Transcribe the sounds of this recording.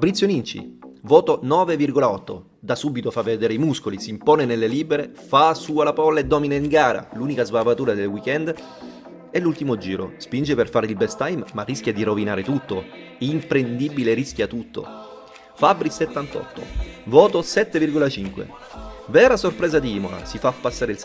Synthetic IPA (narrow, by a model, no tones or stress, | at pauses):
fabɾit̪sːjonint͡ʃḭvɔːt̪onɔːvevirɡolaɔt̪ːo̰ | d̪asubit̪ofavːed̪ɛːɾeimuskolisiːmpoːnenelːeliːbeɾefasuːalapɔlːaed̪ːɔːminaiŋɡaːɾa̰luːnikazvavat̪uːɾad̪elwikɛnd̪ | ɛlːult̪imod͡ʒiːɾo̰spind͡ʒeperfaːɾilbɛst̪ajmːarːiskʲjad̪iɾovinaːɾet̪ut̪ːo | impɾend̪ibileɾisk̟jat̪ut̪ːo̰ | fabɾiset̪ːant̪ɔ̰t̪ːo̰vɔːt̪osɛt̪ːevirɡolat͡ʃiŋkwḛ | vɛːɾasorpɾɛːzad̪iiːmola̰sifapːasːaːɾeils